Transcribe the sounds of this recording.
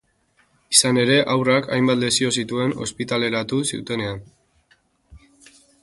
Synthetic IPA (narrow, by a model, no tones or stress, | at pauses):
isane̞ɾe̞ʔawraka̰jmbat̪le̞sio̞sit̪ue̞no̞̰spit̪ale̞ɾat̪usiṵt̪e̞ne̞an